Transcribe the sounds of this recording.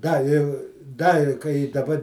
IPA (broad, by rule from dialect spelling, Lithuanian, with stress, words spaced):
ˈdɐ ɪ ˈdɐ ɪ kɐɪ ɪ dɐˈbɐ